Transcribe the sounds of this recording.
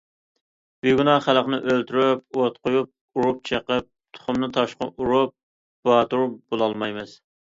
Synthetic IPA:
byɡunɑχæləqnɪʔølt̪ʰyɾypot̪qʊjup̚ | uɾup̚t͡ʃʰeqəp̚t̪ʰʊ̥χʊmnɨt̪ʰɑʃqʊ̰ʔuɾup̚ | b̥ɑt̪uɾub̥olˠɑlˠmɑjmɨz̥

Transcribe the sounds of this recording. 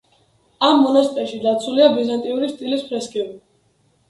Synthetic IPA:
amːɔnast̪ʼɛɾʃid̪at̪sʰuliabizant̪ʼiuɾist̪ʼilispʰɾɛskʼɛvi

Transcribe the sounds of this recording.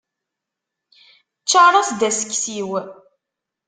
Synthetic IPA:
t͡ʃːɑrˤɑsd̪æsə̥kːsiw

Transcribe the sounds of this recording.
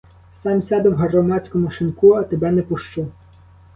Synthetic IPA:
sɑmsʲɑd̪ɪwɦrɔmɑt͡sʲkɔmʊʃɪnkuɐt̪ebɛnɛpʊʃt͡ʃu

